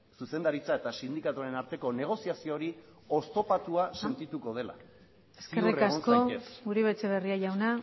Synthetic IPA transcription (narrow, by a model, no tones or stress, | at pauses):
suse̞nd̪aɾit͡sae̞t̪asind̪ikat̪uaɾe̞naɾt̪e̞ko̞ne̞ɣ̞o̞siasio̞ːɾi | o̞st̪o̞pat̪uase̞nt̪it̪uko̞ð̞e̞la̰ | e̞ske̞rrirkasko̞ɡuɾeβe̞t͡se̞βe̞riaʝawna